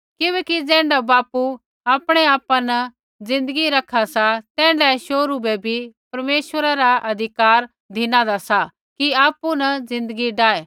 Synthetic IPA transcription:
kɪbɛːkid͡zɛ̃ːɳɖabaːpu | aːpɽ̃eaːpãnɐ | d͡zɪ̃nd̪əɡiɾɐkʰasat̪ɛ̃ːɳɖɛʃoːɾubɛbʱipɐɾmeːʃʋəɾaɾaʔɐd̪ʱɪkaːɾ | d̪ʱɪnãd̪asa | kiaːpːunɐzɪ̃nd̪əɡiɖaːeː

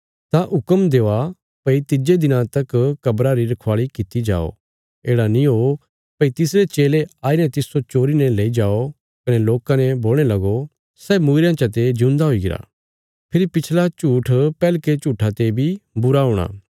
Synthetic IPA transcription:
t̪aʔʊkəmd̪eːa | pɐit̪ɪd͡ʒed̪ɪnãt̪ɐkkɐbɾaɾiɾɐkʰʋaːɭikɪt̪id͡ʒa̰ːo̰ | eːɽanĩɦoː | pɐit̪ɪsɾet͡ʃeːleaːinɛt̪ɪsot͡ʃoːɾinɛleːid͡ʒaːo | kɐnɛloːkãnɛboːl̃elɐɡo | sɛːmuːɾjãt͡ʃat̪ed͡ʒʊ̃ːnd̪aɦoːiɡɪɾa̰ː | pʰɪɾipɪt͡ʃʰlat͡ʃuːʈʰpɛːlket͡ʃuːʈʰat̪ebʱibʊɾaɦʊːɽ̃a̰ː

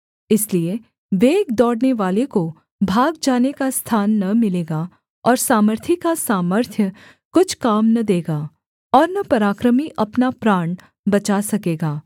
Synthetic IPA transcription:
ɪslie | ʋeːɡd̪ɔːɽneʋaːleko | bʱaːɡ̚d͡ʒaːnekast̪ʰaːnːɐmɪleːɡa | ɔːɾsaːməɾt̪ʰikasaːməɾt̪ʰjə | kʊt͡ʃʰkaːmnɐd̪eːɡaː | ɔːɾnɐpɐɾaːkɾəmiʔɐpnapɾaːɳ | bɐt͡ʃasɐkeːɡaː

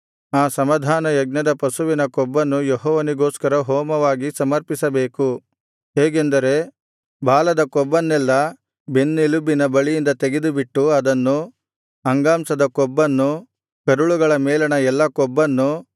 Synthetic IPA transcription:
aːsɐmɐd̪ʱaːnɐjɐɡnɐd̪ɐpɐsuʋinɐkɔbːɐnːujɔɦɔːʋɐniɡoːskɐɾɐɦɔːmɐʋaːɡisɐmɐɾpisɐbeːku | ɦeːɡend̪ɐɾe̞ | baːlɐd̪ɐkɔbːɐnːɛlːɐ | benːilubːinɐbɐɭijind̪ɐt̪eɡed̪ubiʈːuɐd̪ɐnːu | ɐŋɡaːmsɐd̪ɐkɔbːɐnːu | kɐɾuɭuɡɐɭɐmɛːlɐɳɐɛlːɐkɔbːɐnːu

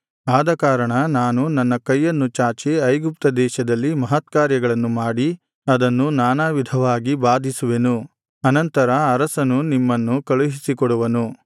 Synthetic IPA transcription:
aːd̪ɐkaːɾɐɳɐnaːnunɐnːɐkɐjːɐnːut͡ʃaːt͡ʃiɐjɡup̚t̪ɐd̪ɛːʃɐd̪ɐlːimɐɦɐt̪kaːɾjɐɡɐɭɐnːumaːɽi | ɐd̪ɐnːunaːnaːʋid̪ʱɐʋaːɡibaːd̪ʱisuʋenu | ɐnɐnt̪ɐɾɐːɾɐsɐnunimːɐnːukɐɭuɦisikɔɽuʋɐnu

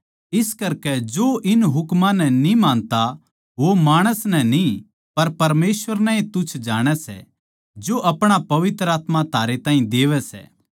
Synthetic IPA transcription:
ɪskɐɾkɛd͡ʒoʔɪnɦʊkmãnɛ̃nĩmãːnt̪a | ʋomaːɽ̃əsnɛ̃nĩ | pɐɾpɐɾmeːsʋəɾnɛ̃ĩt̪ʊt͡ʃʰd͡ʒaːɽ̃ɛsɛ̰ | d͡ʒoʔɐpɽ̃apɐʋɪt̪ɾəaːt̪mãt̪ʰaːɾet̪ãːɦĩd̪eːʋɛsɛ̰ː

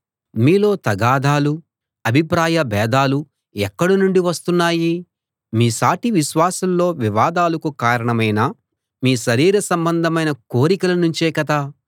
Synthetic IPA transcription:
miːlo̞ːt̪ɐɡaːd̪ʱaːlu | ɐbʱipɾaːjɐbɛːd̪aːlu | ɛkːɐɽunuɳɖiʋɐst̪unːaːji | miːsaːʈiʋiʃʋaːsɐlːo̞ːʋiʋaːd̪aːlɐkukaːɾɐɳɐmɐjnɐ | miːʃɐɾiːɾɐsɐmbɐnd̪ʱɐmɐjnɐkoːɾikɐlɐnuɲt͡ʃeːkɐt̪a

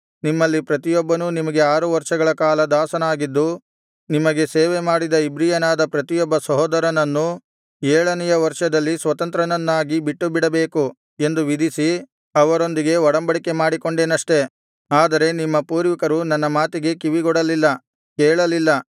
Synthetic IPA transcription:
nimːɐlːipɾɐt̪ijɔbːɐnunimɐɡe̞aːɾuʋɐɾʂɐɡɐɭɐkaːlɐd̪aːsɐnaːɡid̪ːu | nimɐɡe̞seːʋe̞maːɽid̪ɐibɾijɐnaːd̪ɐpɾɐt̪ijɔbːɐsɐɦɔːd̪ɐɾɐnɐnːu | ɛːɭɐnɛjɐʋɐɾʂɐd̪ɐlːisʋɐt̪ɐnt̪ɾɐnɐnːaːɡibiʈːubiɽɐbe̞ːku | e̞nd̪uʋid̪isi | ɐʋɐɾo̞nd̪iɡe̞ɔɽɐmbɐɽike̞maːɽiko̞ɳɖe̞ːnɐʂʈe̞ | aːd̪ɐɾe̞nimːɐpuːɾʋikɐɾunɐnːɐmaːt̪iɡe̞kiʋiɡɔɽɐlilːɐ | kɛːɭɐlilːɐ

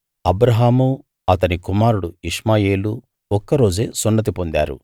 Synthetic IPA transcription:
ɐbɾɐɦaːmu | ɐt̪ɐnikumaːɾuɽuiʂmaːje̞ːlu | ɔkːɐɾo̞ːd͡ʒeːsunːɐt̪̬ipond̪a̰ːɾṵ

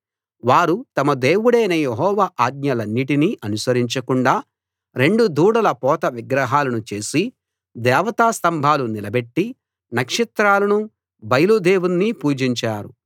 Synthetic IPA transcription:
ʋaːɾut̪ɐmɐd̪eːwuɽɐjnɐjeɦɔːʋaːʔaːɡ̪̚ɲɐlɐnːiʈiniʔɐnusɐɾiɲt͡ʃɐkuɳɖaː | ɾe̞ɳɖud̪uːɽɐlɐpɔːt̪ɐʋiɡɾɐɦaːlɐnut͡ʃe̞ːsi | d̪ɛːʋɐt̪aːst̪ɐmbʱaːlunilɐbe̞ʈːi | nɐkʂit̪ɾaːlɐnu | bɐjlud̪eːwunːiːpuːd͡ʒiɲt͡ʃaːɾṵ

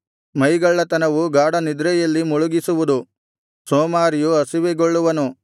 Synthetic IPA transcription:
mɐjɡɐɭːɐt̪ɐnɐʋuɡaːɽɐnid̪ɾɛjɐlːimuɭuɡisuʋud̪u | soːmaːɾjuɐsiʋeɡoɭːuʋɐnu

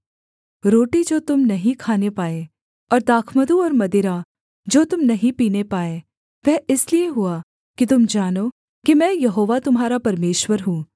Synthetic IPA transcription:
ɾoːʈid͡ʒoːt̪ʊmnɐɦĩkʰaːnepaːe | ɔːɾd̪aːkʰməd̪uɔːɾmɐd̪ɪɾa | d͡ʒoːt̪ʊmnɐɦĩpiːnepaːe | ʋɛɪslieɦʊa | kit̪ʊmd͡ʒaːno | kimɛ̃ːjɐɦoːʋat̪ʊmɦaːɾapɐɾmeːʃwəɾɦũː

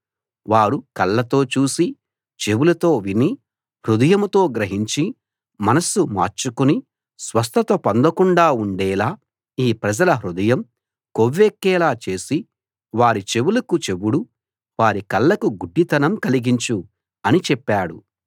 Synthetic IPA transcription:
ʋaːɾukɐlːɐt̪o̞ːt͡ʃuːsi | t͡ʃe̞wulɐt̪o̞ːʋini | hɾud̪ɐjɐmut̪o̞ːɡɾɐɦiɲt͡ʃi | mɐnɐsuma̰ːɾt͡ʃukuni | sʋɐs̬t̪ʰɐt̪ɐpɐnd̪ɐkuɳɖaːuɳɖɛːlaː | iːpɾɐd͡ʒɐlɐɦɾud̪ɐjɐm | koʋːekːɛːlaːt͡ʃe̞ːsi | ʋaːɾit͡ʃe̞wulɐkut͡ʃe̞wuɽu | ʋaːɾikɐlːɐkuɡuɖːit̪ɐnɐmkɐliɡiɲt͡ʃu | ɐnit͡ʃɛpːaːɽu

